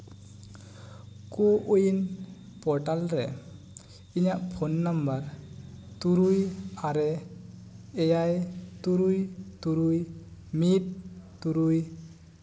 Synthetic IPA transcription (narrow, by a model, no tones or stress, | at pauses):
koʔujn | pɔɾʈalɾɛ̰ | iɲaʔpʰɔnːambaɾ | t̪uɾujaɾɛː | jajt̪uɾujt̪uɾujmit̪̚t̪uɾuj